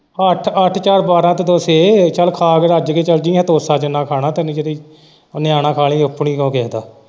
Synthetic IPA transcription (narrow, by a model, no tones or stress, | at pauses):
əʈʰəʈʰt͡ʃaːɾbaːɾãːt̪ed̪oːseːt͡ʃəlkʰaːkəɾəd͡ʒkeːt͡ʃəld͡ʒĩːət̪oːsaːt͡ʃənaːkʰaːɽaːt̪enĩd͡ʒeɾiː | nɪjaːnãːkʰaːlĩːəpːɳiːkõːkɛːd̪aː